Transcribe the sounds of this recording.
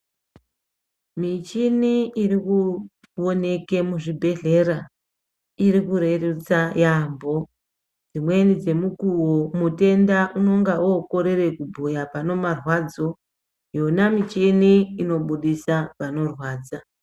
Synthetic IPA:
mit͡ʃiniiriku | wo̞ne̞ke̞muʐibʱe̞ɮe̞ɾa | iɾikuɾe̞rut͡sajambo̞ | d͡zimwe̞nid͡ze̞mukuwo̞mute̞ndaʔuno̞ŋɡaoːko̞ɾe̞re̞kubʱojapano̞marwad͡zo̞ | jo̞namit͡ʃiniːno̞ɓuɗisaʋano̞rwaːd͡za

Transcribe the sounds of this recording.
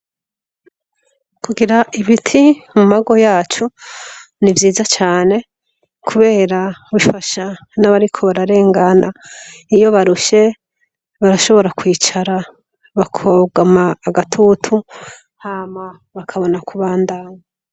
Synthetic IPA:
kuɡiɾaʔiβitʰimumaɡo̞jaːt͡ʃu | nivjiːzat͡ʃaːne̞ | kʰuβe̞ːɾaβifaʃa | naβaɾikʰo̞βaɾaɾe̞ːŋɡanaijo̞βaɾuʃe̞ | βaɾaʃo̞βo̞ɾakwiːt͡ʃaɾa | βakʰoɡamaːɡatʰutʰu | hama | βakʰaβo̞nakuβaːndaːɲa

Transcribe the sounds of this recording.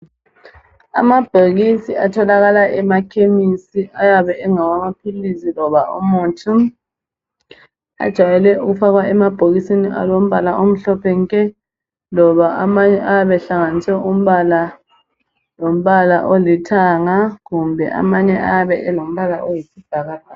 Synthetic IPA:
a̰mab̥ʱoɣisiatʰɔlaɣalaɛmakʰemisiajaβɛɛŋawamapʰilisilɔβaʔɔmoːtʰi | a̰d̥ʒ̥ʱajɛlɛuɣufaɣwaɛmab̥ʱoɣisiniʔa̰lom̩βalaʔom̩ɬɔpʰɛŋkʼɛ | lɔβaamaɲɛʔajaβɛɬaŋanisɛum̩βala | lom̩βala̰ʔolitʰaŋaɣumbʱɛ̰ʔa̰maɲɛa̰βɛʔɛlom̩βalaʔojisib̥ʱaɣazaː

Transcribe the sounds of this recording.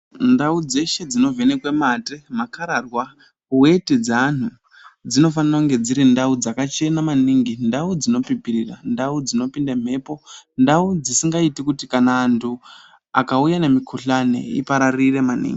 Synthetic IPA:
ndaud͡ze̞ʃe̞d͡zino̞ve̞ne̞kwematemakaɾarwa | we̞tid͡zaːn̤u | d͡zino̞faniroŋɡe̞d͡ziɾindaud͡zakat͡ʃe̞namaniŋɡindaud͡zino̞pipirira̰ndaud͡zino̞pindam̤e̞ːpo̞ndaud͡zisiŋɡaitikutikanaːntʰu | akaujane̞mikʰuɬanḛḭpaɾarire̞manḭːŋɡi

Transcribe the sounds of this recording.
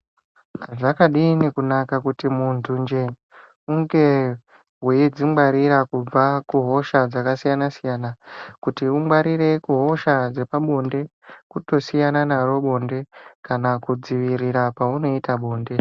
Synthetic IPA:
ʐakaɗinikunakakutimuntʰund͡ʒe | uŋɡe̞ | ɦweid͡zimwaɾiɾakub͡vakuɦo̞ʃad͡zakasijanasijaːnakutiumwaɾiɾe̞kuɦo̞ʃad͡ze̞paɓo̞nde̞kuto̞sijananaro̞ɓo̞nde̞kanakud͡ziʋiɾiɾapauno̞itaɓo̞ːnde̞

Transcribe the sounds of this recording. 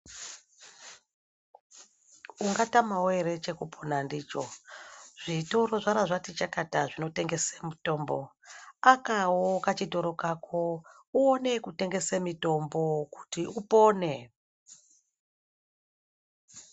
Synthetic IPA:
uŋɡatamaweɾe̞t͡ʃe̞kupʰonandiːt͡ʃo̞ʐ̥ito̞ɾo̞ʐaɾaʐatit͡ʃakataʐino̞te̞ŋɡe̞semito̞ːmbo̞akawokat͡ʃidʱo̞ɾo̞kakʰo | uone̞kute̞ŋɡe̞semito̞mbo̞ku̥tiupo̞ːne̞

